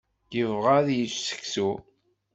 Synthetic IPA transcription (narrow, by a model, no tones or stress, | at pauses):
jəvʁaðjəssə̥ksu